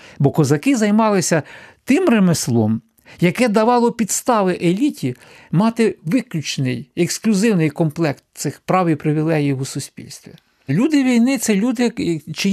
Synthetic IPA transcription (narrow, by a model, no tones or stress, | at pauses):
bɔkɔzɐkɪzɐjmɑlˠɪsʲɐt̪ɪmremeslˠɔ̰m | jɐkɛd̪ɐʋɑlˠɔpʲid̪st̪ɑʋɪʔelʲitʲi | mɑt̪ɪʋɪklʲut͡ʃnɪjeksklʲʊzɪwnɪjkɔmplˠɛkt̪̚sɪxpɾɑwipɾɪʋʲilˠɛɦijwusʊsʲpʲḭlʲst̪ʋʲḭ | lʲud̪ɪʋʲijnɪt̪sɛlʲud̪ɪt͡ʃɪ